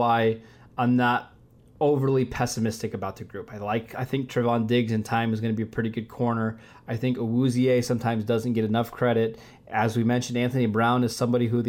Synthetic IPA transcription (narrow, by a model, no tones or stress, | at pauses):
aɪ | ãɪ̃mnəɾ | oʊvə˞lˠipʰɛsɨmɪstɨkɨbaʊt̪̚ðɨɡɹʉpaɪlaɪkaɪθɪ̃ŋk̚tʰɹ̥ɨvɑ̃ndɪɡzɨ̃ntʰãɪ̃mɨzɡʌnɨbiɨpʰɹ̥ɪɾiɡʊd̚kʰɔɹnə˞ | aɪθɪ̃ŋkəwuzieɪsʌ̃mtʰãɪ̃mzdʌzɨ̃nɡ̥ɛɾɨnʌfkʰɹ̥ɛɾɨɾ | ʔɨzwimɛ̃nʃn̩dæ̃nθɨnibɹãʊ̃nɨz̥sʌ̃mbɑɾiɦuð